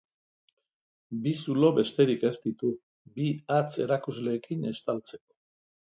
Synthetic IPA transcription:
bisulo̞βe̞st̪e̞ɾike̞st̪it̪u | biat͡se̞ɾakuzle̞ːkine̞st̪alt͡se̞̥ko̥

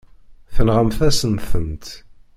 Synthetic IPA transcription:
θənʁəmθæsənθəmt̪

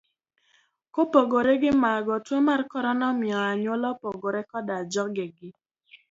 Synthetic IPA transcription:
kopoɡoɾeɡɪmaɡɔtemarkɔɾɔnɔmjɔaɲwolɔpoɡoɾekɔdad͡ʒɔk̚ɡɪɡɪ

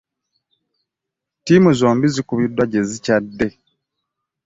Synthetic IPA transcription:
tiːmuzoːmbizikuβidwaɟe̞zicadːe̞

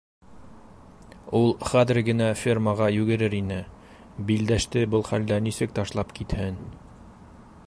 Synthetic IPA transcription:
ulˠχæðɘɾɡɘ̆næfʲirməʁɑjʉɡɘ̆ɾɘɾinɘ | bild̪æʃt̪ɘbɤlˠχæld̪ænisɘk̚t̪ɑʃlˠɑpkit̪hɘn

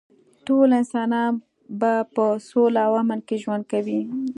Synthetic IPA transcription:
ʈolɪnsɑnɑn | bapəsolaawɑmankeʒwand̪̚kawi

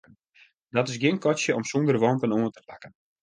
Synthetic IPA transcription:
n | dɔtɪsɡɪnkɔsjəʔɔmsɔndərʋɔntənoəntəpakən

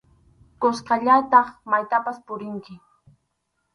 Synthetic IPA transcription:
kosqɑʎat̪ɑχmajt̪apaspʊɾɪŋkɪ

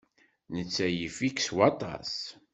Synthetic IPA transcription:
nət͡sːæjəfikswɑt̪ˤɑ̰s

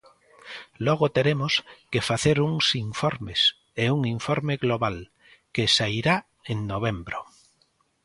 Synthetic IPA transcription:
loɣ̞ot̪eɾemoskefaθeɾuŋsiɱfoɾmes | euŋiɱfoɾmeɣloβal | kesaiɾa | eŋnoβ̞embɾo

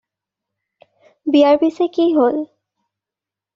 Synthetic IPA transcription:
biaɹbisekiɦol

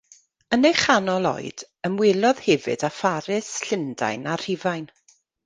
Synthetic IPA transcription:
ənejχanɔlˠɔ̰jd̥ | əmwɪlˠɔð̥hɛvɨ̰dafaɾɪsɬɪnda̰jnar̥ɪvajn

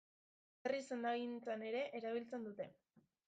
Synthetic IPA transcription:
erise̞nd̪aɣint͡sane̞ɾe̞ʔːɾaβ̞ilt͡se̞nd̪ut̪e̞

